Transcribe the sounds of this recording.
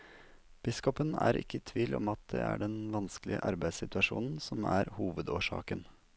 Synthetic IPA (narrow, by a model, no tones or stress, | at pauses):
b̥ɪskɔpənæːɾʔɪ̰kːət̪ʰʋiːlʔɔmɑt̪̚d̪ɛːæːɖɛnʋɑnsklɪəʔɑɾbæɪsɪt̪ʉɑʂṵːnn̩sɔmæːɾhuːʋəd̪oːʂɑ̰ːkən